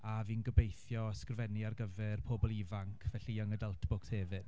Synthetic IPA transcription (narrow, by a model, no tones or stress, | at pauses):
aviːnɡəbejθjɔskrvɛniarɡəvɛrpʰoːbɔlˠivaŋkʰvɛɬiəŋədəlˠtʰb̥ʊkshɛːvɨd̥